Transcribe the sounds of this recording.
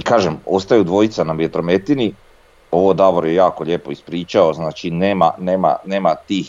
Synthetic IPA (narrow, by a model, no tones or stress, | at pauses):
ikaːʒemo̞st̪ajud̪ʋo̞it̪sanamjet̪ɾo̞me̞t̪ini | o̞ʋod̪aʋoɾjejaːkoʎe̞poispɾiːt͡ʃaoznaːt͡ʃineːma̰neːma̰neːmat̪iːx